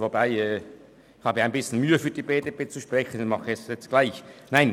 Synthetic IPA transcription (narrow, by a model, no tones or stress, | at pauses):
vobaɪɛː | ɪçhɑːbəaɪnbɪsçn̩myːəfyːɐd̥ibeːdebeːt͡suʃpʁ̥ɛçən̩nmɑχəɛstjɛt͡stɡ̥laɪçnaɪn